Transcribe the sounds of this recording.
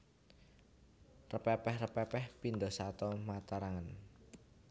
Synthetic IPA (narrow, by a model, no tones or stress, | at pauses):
rəpɛpɛhrəpɛpɛhpind̪ɔsat̪ɔmat̪aɾaŋən